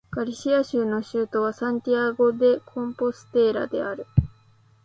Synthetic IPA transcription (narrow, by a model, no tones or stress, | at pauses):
ɡ̥aɾʲiɕiaɕɨːno̞ɕɨːt̪o̞βasãɲ̟t̪ʲiaɡo̞d̪e̞kʰõ̞mpo̞sɨ̥t̪e̞ːɾa̰d̪e̞̰aɾɯ̟